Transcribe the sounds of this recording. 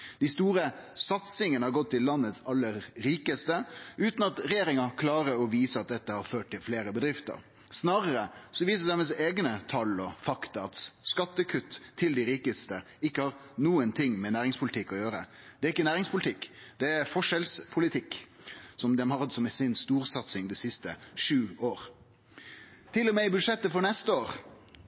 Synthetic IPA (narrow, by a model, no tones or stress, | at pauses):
d̪̥ɪst̪uːɾə | sɑt̪sɪŋənəhɑɾɡɔt̪ʰːɪlːɑnːət̪sɑlːəɾːiːkəst̪əʔʉːt̪nɑt̪ɾɛjeːɾɪŋɑkʰlɑːɾəɔʋiːsəɑt̪̚d̪ɛt̪ːəhɑɾføːʈ̚t̪ːɪlfleːɾəbəd̪ɾɪft̪ə̰ɾ | snɑːɾəɾəsɔʋiːsəd̪æməseːɡnət̪ʰɑlɔfɑkt̪ɑɑt̪skɑt̪ːəkʰʉt̪ːʰɪld̪ɪɾiːkəst̪ə | ɪkːəhɑɾnuːənt̪ʰɪŋːmɛnæːɾɪŋspʰʊlt̪ʰɪkːɔjøːɾəd̪̥ɛæɾɪkːənæːɾɪŋspʰʊlɪt̪ʰɪkːd̪̥ɛæɾfɔʂɛlspʰʊlɪt̪ʰɪkː | sɔmd̪ɛmhɑʁd̪sɔmɛsɪnst̪uːɾsɑt̪sɪŋd̪ɛsɪst̪əʂʉːoːɾ | t̪ʰɪlːɔmɛɪbʉd̪ʂɛt̪ːəfɔɾnɛst̪əoːɾ